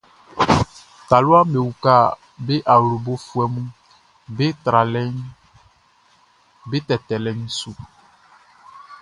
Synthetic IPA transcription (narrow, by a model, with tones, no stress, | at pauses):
t̪a˨lo˦a˦me˨wu˨ka˦˨ | be˦ʔa˨wlo˨bo˦fu˦ɛ˨mũ˦ | be˦t̪ɾa˨lɛ˦ɲ | be˦t̪ɛ˨t̪ɛ˨lɛ˨ɲũ˦su˦